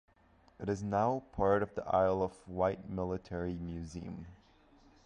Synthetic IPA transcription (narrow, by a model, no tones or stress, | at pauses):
ɨɾɨznaʊpʰɑɹɾʌvðiʔa̰ɪlˠʌvwaɪt̚mɪlˠətʰɛɹimjʉzḭ̃ɨ̃m